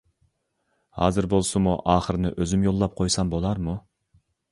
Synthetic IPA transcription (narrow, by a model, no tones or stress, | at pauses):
hɑ̰ːzɨɾbolˠsumuʔɑːχəɾɨnɪʔøzymjolˠːɑp̚qʰojsɑmbolˠɑɾmu